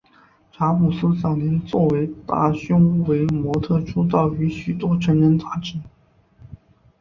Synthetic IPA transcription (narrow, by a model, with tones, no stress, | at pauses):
ʈ͡ʂʰa˧˥mu˨˩sɹ̩˥t͡sɑ˨˩ʊnjɛ˧˥nt͡swɔ˥˩we˧˥ɪt̪a̰˥˩ɕʊ˥ŋ˥we˧˥ɪmwɔ˧˥t̪ʰɤ˥˩ʈ͡ʂʰu˥t̪ɑ˥˩ʊy˧˥ɕy˨˩t̪wɔ˥ʈ͡ʂʰɤ˧˥ŋɻə˧˥nt͡s̪a˥˩ʈ͡ʂɻ̩˧˥